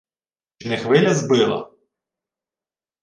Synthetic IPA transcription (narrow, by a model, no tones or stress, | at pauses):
t͡ʃɪnɪxʋɪlʲɐzbɪlˠɐ̰